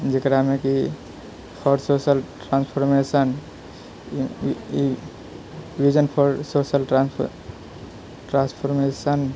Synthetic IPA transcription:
d͡ʒekɾameki | pʰɔɾsosəlʈɾãnspʰoɾmesən | i | ʋid͡ʒənpʰɔɾsosəlʈɾa | ʈɾãnspʰoɾmesən

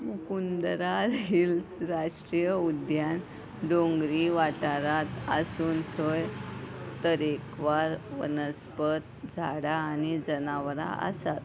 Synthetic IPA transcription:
mukund̪ɾad͡zilsɾaʂʈɾijəud̪jan | ɖõŋɡɾiʋaʈaɾat̪ə̰suːnt̪ʰojt̪əɾekʋaɾʋə̰nəspət̪d͡zʱaɽaːñid͡zənaʋɾa̰ə̰sat̪̚

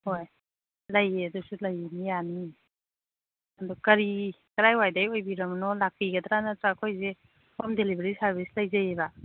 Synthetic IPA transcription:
hoj | lɐjeɐdusulɐjinijani | ɐdukɐɾi | kɐɾajwajdajojbiɾɐmnɔlakʰɾiɡɐdɾanatɾakʰojze | hamdelibeɾisaɾbislɐjzajeba

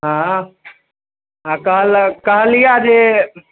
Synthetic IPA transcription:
ɦãː | ɦãkəɦəlkəɦəlijad͡ʒe

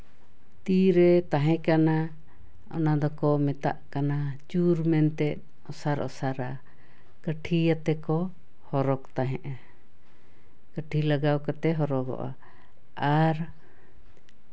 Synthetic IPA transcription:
t̪iɾɛt̪aɦɛ̃kana | ɔ̰nad̪ɔkɔmɛt̪a̰ʔkanat͡ʃuɾmɛnt̪ɛt̪̚ | ɔsaɾʔɔ̰saɾa | kəʈʰijat̪ɛkɔ | hɔɾɔkt̪aɦɛ̃ʔa | kəʈʰilaɡawkɔt̪ɛɦɔɾɔɡɔ̰ʔa̰ | aɾ

